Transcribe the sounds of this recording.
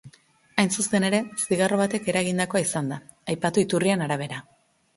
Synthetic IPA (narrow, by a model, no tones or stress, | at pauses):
ajnsust̪e̞ne̞ɾe̞siɣaro̞β̞at̪e̞ke̞ɾaɣind̪ako̞aisand̪a | ajpat̪uit̪urienaɾaβ̞e̞ɾa